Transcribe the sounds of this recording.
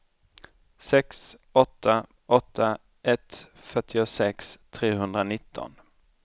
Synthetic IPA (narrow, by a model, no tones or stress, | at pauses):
sɛksɔt̪ʰːa | ɔt̪ʰːa | ɛt̪ | fœʈʰːɪʊsɛkst̪ʰɾeːɦɵnd̪ɾanɪt̪ʰːɔ̰n